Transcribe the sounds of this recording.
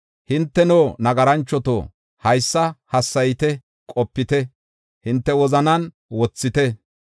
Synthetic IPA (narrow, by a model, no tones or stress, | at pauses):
hɪnt̪ːɛnoːnɐɡɐɾɐnt͡ʃːɔt̪o̰ː | hɐjsːɐhɐsːɐjɪt̪ɛ | kʼɔpːɪt̪ɛ | hɪnt̪ːɛwɔzɐnɐn | wɔt͡sːɪt̪ɛ